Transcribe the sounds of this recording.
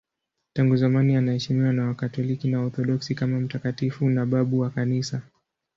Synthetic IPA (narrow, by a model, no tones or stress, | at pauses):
taŋɡuzamanianahɛʃimiwanawakatɔlikinaɔɾθɔɗɔksikamam̩takatifunaɓaɓuwakanisa